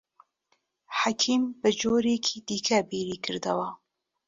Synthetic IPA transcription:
ħakʰiːmbɨd͡ʒoːɾekʰiːd̪iːkʰɐbiːɾiːkʰɨɾd̪ɐwɐ

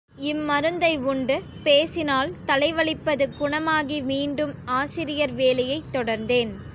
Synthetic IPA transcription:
ɪmːɐɾɯnd̪ɐɪʊɳɖɯ | peːsɪnaːlt̪ɐlɐɪʋɐɭɪpːɐðɯkʊɳɐmaːɣimiːɳɖɯmaːsɪɾɪjɐɾʋeːlɐjɐɪt̪ːɔɽɐɾnd̪eːn

